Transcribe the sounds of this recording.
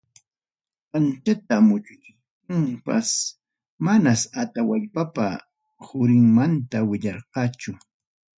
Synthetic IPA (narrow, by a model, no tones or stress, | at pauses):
ant͡ʃat̪̚amʊt͡ʃʊt͡ʃ | kʊŋpa̰s | manasat̪awaʎpapa̰ | hʊɾɪŋmant̪awɪʎɑɾqɑːt͡ʃʊ